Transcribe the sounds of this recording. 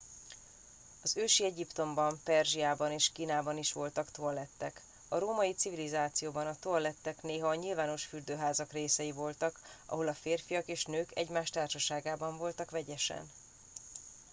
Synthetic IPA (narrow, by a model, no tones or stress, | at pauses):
ɒzøːʃiɛɟipt̪o̞mbɒmpɛrʒiaːbɒneːʃkiːnaːbɒniʃʋo̞lt̪ɒkt̪o̞rlɛt̪ːɛk | ɒɾoːmɒjit̪sivilizaːt̪sijoːbɒnɒt̪orlɛt̪ːɛkneːɦɒːɲilvaːno̞ʃfyrd̪øːɦaːzɒkreːsɛjivo̞lt̪ɒkɒ̰ɦo̞lɒfeːrfijɒkeːʃnøːkɛ̰ɟmaːʃt̪aːrʃɒʃaːɡaːbɒɱvo̞lt̪ɒkʋɛɟɛʃɛ̰n